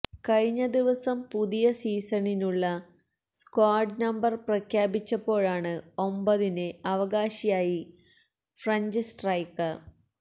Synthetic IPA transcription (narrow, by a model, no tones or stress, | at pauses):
kɐɻiɲːɐd̪iʋɐsɐmpuðijɐsiːsɐninuɭːɐ | skwaːɖnɐmbɐrprɐkʰjaːbit͡ɕːɐpːo̞ːɻaːɳɨo̞mbɐðinɨɐʋɐɣaːɕijaːji | frɐɲd͡ʑɨsʈrɐjkːɐ